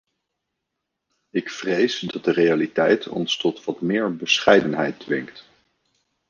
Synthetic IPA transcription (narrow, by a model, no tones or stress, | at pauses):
ɪkfrejsdɑt̚dərejalitɛjtʰɔ̰nstɔtʋɑtmɪːɹbəsχɛjdənɦɛ̰jt̚dʋɪŋkt